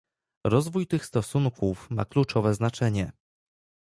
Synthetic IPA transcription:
ɾɔzvujt̪ɘxst̪ɔsuŋkufma̰klut͡ʂɔvɛznat͡ʂɛɲɛ

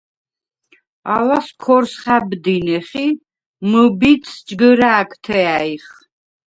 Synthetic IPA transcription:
alaskʰɔɾsχabd̪inɛχi | məbit̪sʰd͡ʒɡəɾaːkʰt̪ʰɛaiχ

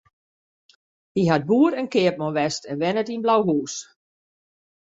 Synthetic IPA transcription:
hiɦad̚buːəɾənkɪəp̚mɔʋɛstɛnʋɛnətinblawɦuːs

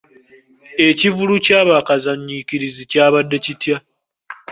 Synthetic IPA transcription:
e̞civulucaːβakazaɲːiciɾizicaːβadːe̞citja

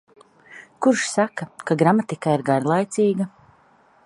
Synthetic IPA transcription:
kuɾʃsakakaɡɾamat̪ikaiɾɡaɾlˠajt̪siːɡa

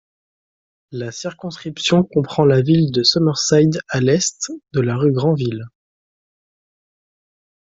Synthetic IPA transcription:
lasiʁkɔ̃skχipsjɔ̃kɔ̃pχɑ̃lavild̪əsɔmœʁsajd̪alɛst̪d̪əlaʁyɡʁɑ̃vil

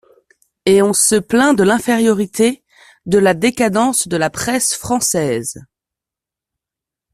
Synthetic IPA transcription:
eɔ̃səplɛ̃d̪əlɛ̃feʁjɔʁit̪ʰe | d̪əlad̪ekad̪ɑ̃sd̪əlapχɛsfχɑ̃sɛz

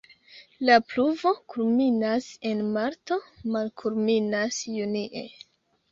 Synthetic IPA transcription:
lapluvo̞kulminase̞nmaɾto̞malkʰulminasjuniʔe̞̰

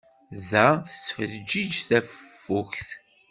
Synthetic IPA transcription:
ðæθə̥sːfəld͡ʒid͡ʒθæffːuçθ

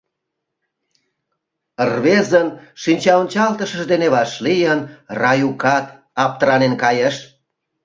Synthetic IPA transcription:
ərβezənʃinʲt͡ɕɑonʲt͡ɕɑlt̪əʃəʒd̪eneβɑʃlijənrɑjukɑt̪̚ | ɑp̚t̪əɾɑnenkɑjeʃ

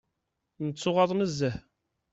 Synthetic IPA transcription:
nət͡sːʊʁɑðˤməzːəh

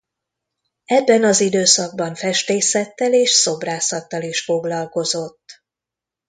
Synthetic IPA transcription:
ɛbːɛnɒzid̪øːsɒɡ̚bɒɱfɛʃt̪eːsɛt̪ːɛleːʃso̞braːsɒt̪ːɒliʃfo̞ɡlɒlko̞zo̞t̪ː

